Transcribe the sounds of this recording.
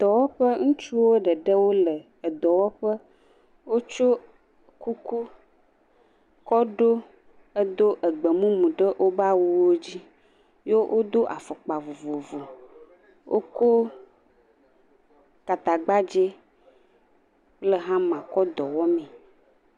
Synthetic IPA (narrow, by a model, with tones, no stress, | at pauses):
d̪̥ɔ˨wɔ˦ɸə˦ŋũ˦t͡ʃu˦wo˦ɖə˨ɖə˦wo˦lə˨ | ə˨d̪ɔ˨wɔ˦ɸə˦ | wo˦t͡ʃo˦ | ku˦ku˦ | kɔ˦ɖo˦ | ə˦d̪o˦ʔə˨ɡ͡bə˨mũ˦mũ˨ɖə˦ʔo˦ba˦wu˦wo˦d͡ʑi˦ | jo˦wʔo˦d̪o˦ʔa˨fɔ˨k͡pa˨vo˨vo˨vo˨ | wʔo̰˦ko˦ | ka˨t̪a˨ɡ͡ba˦d͡ʒe˦ | lə˨ɦã˦mã˨kɔ˦d̪ɔ˨wɔ˦mɛ̃˨